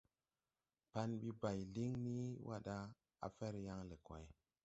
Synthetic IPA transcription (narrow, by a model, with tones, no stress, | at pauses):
pa˧nɓi˦ba˨jli˦ŋni˦wʔa̰˦ɗa˦ | a̰˨fɛ˦ɾja˦ŋle˨kwa̰˨j